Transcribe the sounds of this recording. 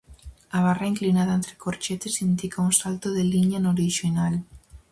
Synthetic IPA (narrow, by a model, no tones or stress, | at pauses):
aβ̞araiŋklinaðaẽnt̪ɾɪ̥koɾt͡ʃet̪esinid̪ikauŋsalt̪oðeliɲanoɾiʃinal